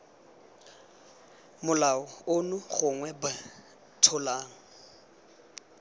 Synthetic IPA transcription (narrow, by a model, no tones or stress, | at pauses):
mʊlaɔʊnʊχʊŋwɛba | tʰʊlaːŋ̩